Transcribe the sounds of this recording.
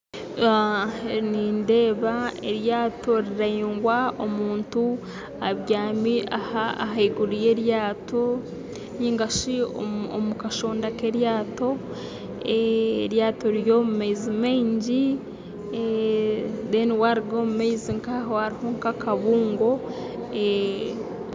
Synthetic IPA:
aninde̞ːβaeɾjaːto̞ɾiɾaiːŋɡwaomuːntu | aβjaːmiaha̰ɦaiɡuɾije̞ɾjaːto̞ | ɲiːŋɡaʃio̰mukaʃo̞ːndakeɾjaːto̞ | eːɾjaːtoɾjo̞mumeizimeːɲɟi | deniwaɾiɡo̞mumeiziŋkahohaɾihoŋkakaβuːŋɡo̞ | e

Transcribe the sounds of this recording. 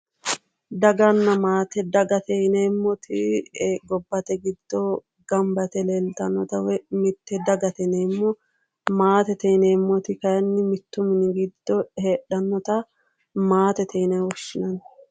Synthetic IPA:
d̪ɐɡɐnːɐmaːt̪ɛd̪ɐɡɐt̪ɛjneːmːɔt̪ʰɪɡɔbːɐt̪ɛɡɪd̪̥ːɔ | ɡ̥ɐmbɐt̪ɛleːlt̪ɐnːɔt̪ɐwmɪt̪ːɛd̪ɐɡɐt̪ɛneːmːɔ | maːt̪ɛt̪ɛjneːmːɔt̪ɪkɐjɐnːɪmɪt̪ːʊmɪnɪɡɪd̪ːɔheːᶑɐnːɔt̪ɐ | maːt̪ɛt̪ʰɛjnɐwɔʃːɪnɐn

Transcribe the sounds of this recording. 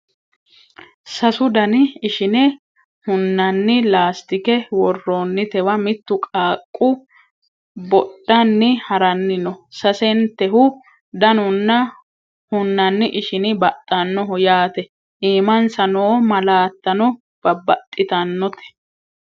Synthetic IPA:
sɐsʊd̪ɐnɪɪʃɪnɛ | hʊnːɐnːɪlaːst̪ɪkɛwɔrːoːnːɪt̪ɛwɐmɪt̪ːʊkʼaːkʼːʊ | bɔɗɐnːɪhɐɾɐnːɪnɔsɐsɛnt̪ːɛɦʊ | d̪ɐnʊnːɐ | hʊnːɐnːɪʔɪʃɪnɪbɐt̪ʼːɐnːɔɦʊjaːt̪ɛ | ʔiːmɐnsɐnoːmɐlaːt̪ːɐnɔ | b̥ɐbɐt̪ʼːɪt̪ɐnːɔt̪ɛ̥

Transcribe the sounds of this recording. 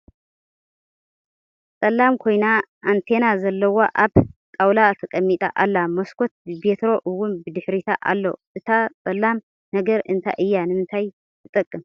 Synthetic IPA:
t͡sʼɐlːamkʰo̞jnaʔant̪ʰe̞nazɐlːɐwoʔaβt̪ʼawlat̪ʰɐkʼɐmːit̪ʼa̰ʔalːamɐskʰo̞t̪̚ɨbe̞t̪ʰɾo̞ʔɨwːʊnbɨd̪ɨħɾit̪ʰa̰ʔa̰lːoʔɨt̪ʰat͡sʼɐlːam | nɐɡɐɾɨnt̪ʰa̰ʔɨjːanɨmɨnt̪ʰaj | t̪ʰɨt̪ʼɐkʼːɨm

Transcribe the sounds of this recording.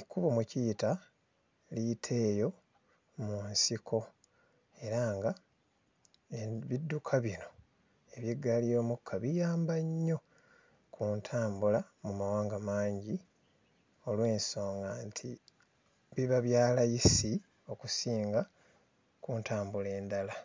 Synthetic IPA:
ikuβomucijta | liːtʰe̞ːjo̞ | munsikʰo̞ | e̞ɾaŋɡa | eβidːukʰaβino̞ | e̞βjeɡːalijo̞ːmukʰːaβijaːmbaɲːo̞ | kʰuntʰaːmbula | mumawaːŋɡamaːɲɟi | o̞lwe̞ːnso̞ːŋɡantʰi | βiβaβjaːlajisi | o̞kusiːŋɡa | kuːntʰaːmbule̞ːndala

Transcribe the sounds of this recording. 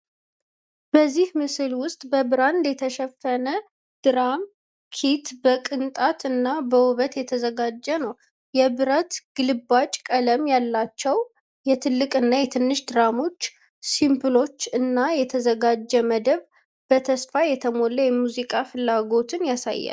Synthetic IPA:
b̥əzːihmɨsɨlwʊst̪ʼbəbɨɾanlɛt̪ʰəʃɛfːənə | d̪̥ɨɾam | kʰit̪bəkʼɨnt̪ʼat̪ɨnːabəwʊβət̪jɛt̪ʰəzəɡad͡ʒːɛnəw | jɛbɨɾət̪ɡ̥ɨlɨbat͡ʃʼkʼələmjalːat͡ʃːɛw | jɛt̪ʰɨlːɨkʼɨnːajɛt̪ʰɨnːɨʃd̪ɨɾamo̞t͡ʃː | simpɨlo̞t͡ʃːɨnːajɛt̪ʰəzəɡad͡ʒːɛməd̪əβ | b̥ət̪ʰəsfajɛt̪ʰəmo̞lːəjɛmuzikʼafɨlːaɡo̞t̪ʰɨnjasa̰jːa̰l

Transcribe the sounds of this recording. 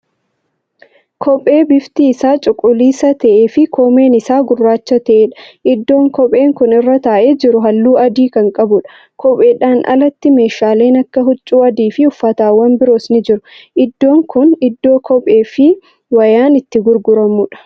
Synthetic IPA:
kʰɔpʼːe̞ːbɪft̪iɪsaːt͡ʃʼʊkʼʊliːsɐt̪ɐʔeːfɪkʰoːme̞ːnɪsaːɡʊrːaːt͡ʃːɐt̪ɐʔeːᶑɐ̥ʔɪd̪ːo̞ːŋkɔpʼe̞ːŋkʊnɪrːɐt̪aːʔeːd͡ʒɪɾʊɦɐlːuːɐd̪iːkɐŋkʼɐbʊᶑɐ̥ | kɔpʼe̞ːᶑaːnʔɐ̰lɐt̪ːɪme̞ːʃaːle̞ːnɐkːɐɦʊt͡ʃʼːuːɐd̪iːfɪʊfːɐt̪aːwɐmbɪɾo̞ːsnɪd͡ʒɪɾʊʔɪd̪ːo̞ːŋkʊnɪd̪ːo̞ːkʰɔpʼe̞ːfɪ | wɐjaːnɪt̪ːɪɡʊɾɡʊɾɐmʊᶑɐ̥

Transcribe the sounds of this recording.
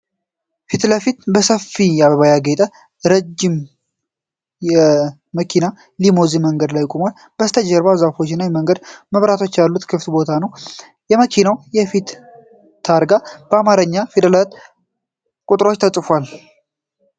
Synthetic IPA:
fit̪ləfit̪bəsəfːijaβəβajaɡet̪ʼə | ɾəd͡ʒːɪm | jɛː | əkʰina | limoziməŋɡəd̪lajːkʼoman | b̥əst̪ʰəd͡ʒəɾbazafo̞t͡ʃːɪnːawjɛməŋɡəd̪məβɾat̪ʰo̞t͡ʃːjalːut̪kʰɨft̪bo̞t̪ʰanəw | jɛməkʰinawjɛfit̪ʰː | aɾɡab̥əamaɾəɲːafid̪əlat̪ | kʼut̪ʼɾo̞t͡ʃːt̪ʰəsʼɨfal

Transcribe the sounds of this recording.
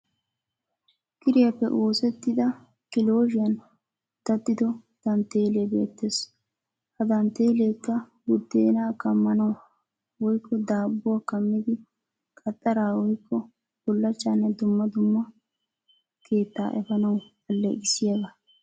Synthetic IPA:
kʼɪɾɪjɐpːɛ̰ʔoːsɛt̪ːɪd̪ɐ | kɪlo̞ːʒɪjɐn | d̪̥ɐt̪ːɪd̪ɔ | d̪̥ɐnt̪e̞ːleːbe̞̰ːt̪ːe̞ːs | hɐd̪ɐnt̪e̞ːleːkːɐ | ɡʊd̪ːeːnaːkɐmːɐnɐw | wɔjkʰːɔd̪aːbːʊwakɐmːɪd̪ɪ | kʼɐt̪ʼːɐɾaːwɔjkːɔ | b̥ʊlːɐt͡ʃːaːnːɛd̪ʊmːɐd̪ʊmːɐ | ke̞ːt̪ːa̰ːʔɛfɐnɐw | ɐlːḛɡɪsːɪjɐɡa

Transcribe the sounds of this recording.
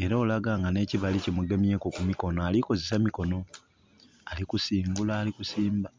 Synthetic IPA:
e̞ɾaːlaɡaːŋɡane̞ːciβalicemuɡemje̞kokumiko̞noaliko̞zesamiko̞no̞ | alikusiːŋɡulaːlikusiːmba

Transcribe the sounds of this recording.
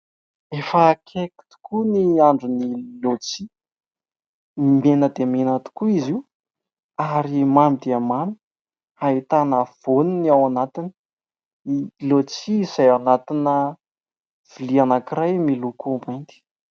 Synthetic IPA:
efəkʰeki̥t̪u̥kʰuniaɳɖ͡ʐunilot͡si | menəd̪emenət̪u̥kuiziw | aɾimamid̪eamami̥ | aɦit̪anav̥oniniawanat̪ini̥ | ilot͡sizajanat̪inə | v̥ilianakirajmilukumbant̪i̥

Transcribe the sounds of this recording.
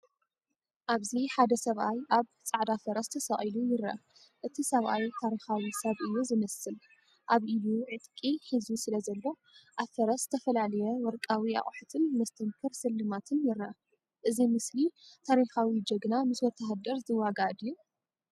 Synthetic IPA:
ʔaβziħad̪ɐsɐβʔajʔaβt͡sʼaʕd̪afɐɾɐst̪ʰɐsɐχʼilujɪɾa̰ | ʔɨt̪ʰisɐβʔajt̪ʰaɾixawisɐβʔɨjːuzɨmɐsɨl | ʔaβʔɨjuʕɨt̪kʼiħizusɨlɐzɐlːo̞ | ʔafɐɾɐst̪ʰɐfɐlalɐjɛwɔɾkʼawia̰χʼħɨt̪ʰɨnmɐst̪ʰɐmkʰɨɾsɨlːɨmat̪ʰɨnjɪɾa | ʔɨzimɨslit̪ʰaɾixawid͡ʒɐɡnamɨswɔt̪ʰːaɦad̪ɐɾzɨwːaɡad̪jːu

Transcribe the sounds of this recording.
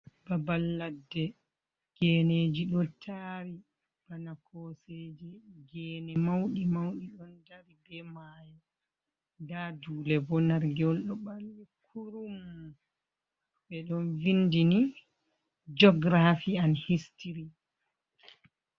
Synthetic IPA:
b̥abalːadːɛ | ɡ̥ɛneːd͡ʒiɗɔtʰaɾi | banakʰɔseːd͡ʒɛɡɛːnɛmawɗimawɗiɗɔndaɾibɛmaːja | daduːlɛbɔnaɾɡɛɔlɗɔɓaldikʰuɾum | ɓɛɗɔnvindini | d͡ʒɔɡɾafianhistiɾi

